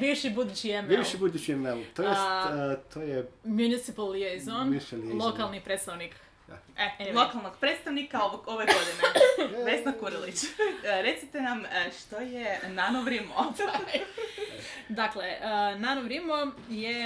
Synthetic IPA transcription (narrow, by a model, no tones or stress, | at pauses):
biʋʃibud̪ut͡ɕiebiʋʃibud̪ut͡ʃiemnemot̪ojjest̪ʰojemjunisipalˠijezoniʃɛllˠokalˠnipɾet̪st̪aʋnik | elˠokalˠnoɡ̥̚pɾet̪st̪aʋnikaoʋoɡoʋeod̪ineʋesnakuɾilit͡ɕɾet̪sit̪enamʃt̪ojenanoʋɾimoaj | d̪aklenanoʋɾimoje